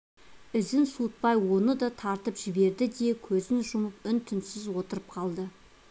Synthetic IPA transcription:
ɪzɪnsut̪̚pɑjwo̞nəd̪ɑt̪ʰɑɾt̪əpʒ̥ɪbe̞ɾd̪ɪd̪e̞kʲʰɵzɪnʒʊməp̚ʏnt̪ʰʏnsɪzwo̞t̪əɾəp̚qʰɑlˠd̪ə

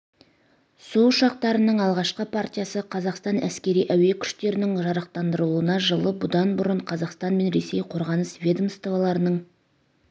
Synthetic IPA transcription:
suʊʃɑq̚t̪ɑɾənəɴɑlˠʁɑʃqəpʰart̪ʲijasəqʰɑzɑqst̪ɑnʔæ̰skʲe̞ɾijʔæwe̞kʲʰʏ̥ʃt̪e̞ɾɪnɪŋʒɑɾɑq̚t̪ɑnd̪əɾəlˠuənɑʒəlˠəbʊd̪ɑnbʊɾəɴqʰɑzɑqst̪ɑnme̞nɾe̞se̞jqʰo̞ɾʁɑnəsvʲe̞d̪omst̪ovɑlˠɑɾənəɴ

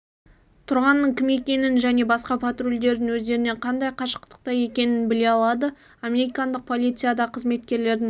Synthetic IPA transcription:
t̪ʰʊɾʁɑnːəɴkʲʰɪme̞kʲe̞nɪnʒæne̞bɑsqɑpʰat̪rulʲd̪e̞ɾd̪ɪnwɵzd̪e̞ɾɪne̞ɴqʰɑnd̪ɑjqʰɑʃə̥q̚t̪ə̥q̚t̪ɑje̞kʲe̞nɪnbɪle̞ɑlˠɑd̪ə | ame̞ɾikand̪əq̚pʰo̞lˠijt̪sɨjad̪ɑqʰəzme̞t̪kʲe̞ɾle̞ɾd̪ɪ

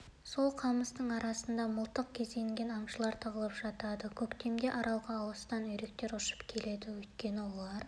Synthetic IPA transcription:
so̞lˠqʰɑməst̪əɴɑɾɑsənd̪ɑməlˠt̪əq̚kʲʰe̞zd̪e̞ŋɡʲe̞nɑmʃəlˠɑɾt̪ʰəʁəlˠəpʒ̥ɑt̪ɑd̪əkʲʰɵkt̪e̞md̪e̞ʔɑɾɑw̪ˠʁɑːw̪ˠəst̪ɑnɵjɾe̞kt̪e̞ɾʊʃə̥pkʲʰe̞le̞d̪ɪwɵjt̪̚kʲe̞nɪwo̞lˠɑɾ

